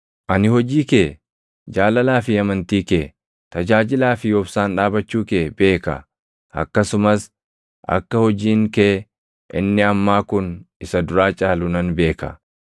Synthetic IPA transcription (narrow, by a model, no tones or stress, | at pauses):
ʔɐnɪhɔd͡ʒiːkeː | d͡ʒaːlɐlaːfɪɐmɐnt̪iːkeː | t̪ɐd͡ʒaːd͡ʒɪlaːfɪjɔbsaːnᶑaːbɐt͡ʃːuːkeːbe̞ːkɐ̰ | ʔɐ̰kːɐsʊmɐs | ʔɐ̰kːɐhɔd͡ʒiːŋkeː | ʔɪ̰nːɪɐmːaːkʊnɪsɐd̪ʊɾaːt͡ʃʼaːlʊnɐnbe̞ːkɐ̰